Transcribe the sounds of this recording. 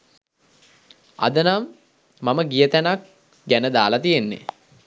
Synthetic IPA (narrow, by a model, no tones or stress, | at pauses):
a̰d̪ənamː | aməɡijət̪ænak̚ | ɡænəd̪aːlat̪ijenːḛ